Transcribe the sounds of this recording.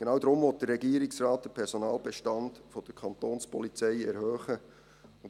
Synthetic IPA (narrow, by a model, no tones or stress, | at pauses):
ɡ̥enɑːwdɾʊmʋɔt̚d̥ərːɛɡiːəɾɪksrɑːt̚d̥əpʰɛɾsɔnɑːlbɛʃtɑndfɔd̥əɾkʰɑnt̪oːnspɔlit͡sɛɪɛɾhœːχə | ʊ